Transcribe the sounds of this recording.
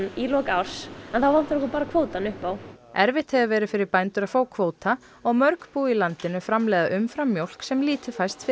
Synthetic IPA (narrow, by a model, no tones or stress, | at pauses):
ilɔːkaːwɾ̥sɛnθawvan̥t̪ɾɔhkɔpaːɾakʰv̥oːwt̪anʏhpawɛɾvɪht̪hɛvʏvɛːɾʏfɪɾɪɾpajnt̪ʏɾafoːwkʰvoːwt̪a | ɔɣmœɾkpuːilant̪ɪnʏfɾamlɛːɣðaʔʏmfɾamːjowl̥ksɛmliːt̪ʏfajst̪fɪ